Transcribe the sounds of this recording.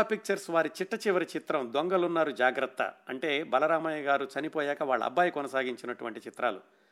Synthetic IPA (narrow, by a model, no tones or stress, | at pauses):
pik̚t͡ʃɐɾsʋaːɾit͡ʃiʈːɐt͡ʃiʋɐɾit͡ʃit̪ɾɐmd̪oŋɡɐlunːaːɾud͡ʒaːɡɾɐt̪ːɐ̰ɐɳʈe̞ːbɐlɐɾaːmɐjɐɡaːɾut͡ʃɐnipoːjɛːkɐʋaːɭːɐ̰bːaːjkɔnɐsaːɡiɲt͡ʃinɐʈuʋɐɳʈit͡ʃit̪ɾaːlṵ